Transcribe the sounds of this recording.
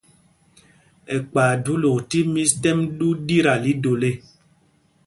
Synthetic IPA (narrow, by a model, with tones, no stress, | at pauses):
ɛ˨k͡paː˨du˨˦lo˨ti˦mĩ˦stɛ˦mɗu˦di˦ɾa˨li˨˦do˨le˦˨